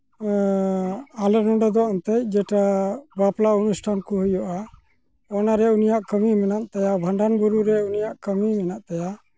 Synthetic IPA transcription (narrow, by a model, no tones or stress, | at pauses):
alənɔɖɔd̪ɔʔɔnt̪ɛc̚d͡ʒɛʈabaplaunusʈʰankuhujɔʔa | ɔnaɾɛunijaʔkəmimɛnaʔt̪ajabʱəɳɖanbuɾuɾɛunijaʔkəmimɛnaʔt̪aja